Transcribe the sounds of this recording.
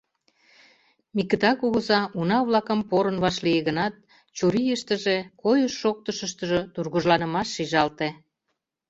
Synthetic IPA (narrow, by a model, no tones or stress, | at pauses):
mikət̪ɑkuɣəzɑʔunɑβlɑkəmpoɾənβɑʃlijeɣənɑt̪̚ | t͡ɕuɾijəʃt̪ə̆ʒekojəʃːok̚t̪əʃəʃt̪ə̆ʒot̪urɣuʒlɑnə̆mɑʃːiʒɑlt̪e